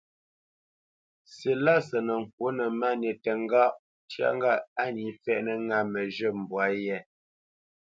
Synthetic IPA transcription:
se˨la˦sə˨nə˨ŋ̩˨k̚wo˦nə˨ma˦˨ne˨tə˨ŋ˦ɡa˦ʔ | tja̰˦˨ŋɡa˦˨a˦ni˨fɛ˦ʔnə˦ŋa˦mə˨ʒə˦˨m̩˨bwa˨˦jɛ˦˨

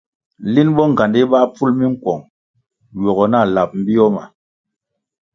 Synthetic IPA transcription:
li˦nɓɔ˦ŋ˨ɡa˨ndi˦ɓa˦pu˦lmi˦ŋ̩˦kwɔ˨ŋ | ɥɔ˨ɣɔ˨na˦˨la˨p̚m̩˦bi˦ɔ˦ma̰˨

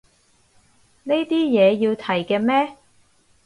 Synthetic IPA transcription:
ne˥jt̪iː˥jɛː˨˧jiː˧wt̪ʰɐ˨˩jkɛː˧mɛː˥

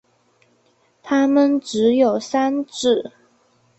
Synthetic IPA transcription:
t̪ʰa˥mə˨nʈ͡ʂɻ̩˧˥jo˨˩ʊsa˥nʈ͡ʂɻ̩˥˩

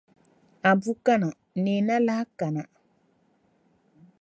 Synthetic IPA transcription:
a˨bu˦ka˦na˨ | ne˨na˦la˦ka˨na˨

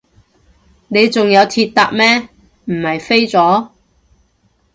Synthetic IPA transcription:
ne˨˧jt͡sʊ˨ŋjɐ˨˧wt̪ʰiː˧t̚t̪a̰ː˧k̚mɛː˥ | m̩˨˩hɐ˨˩jfe˥jt͡sɔː˨˥

